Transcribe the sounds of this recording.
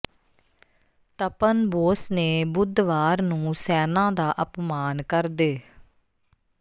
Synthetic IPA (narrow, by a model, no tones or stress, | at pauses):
t̪əpənboːsneːbʊd̪ʋaːɾnũːsɛːnãːd̪aːʔəpmaːnkəɾd̪eː